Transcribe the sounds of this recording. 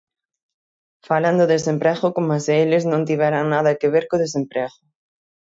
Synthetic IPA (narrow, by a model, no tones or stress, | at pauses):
faland̪ʊðes̬ẽmpɾɛɣʊkomaseelɪznõnt̪iβɛɾaŋnaðɐkeβeɾkoðes̬empɾɛɣʊ